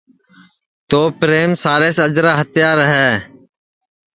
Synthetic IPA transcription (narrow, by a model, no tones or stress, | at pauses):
t̪oːpɾeːmsaːɾeːsəd͡ʒɾaːɦət̪jaːɾəɦɛː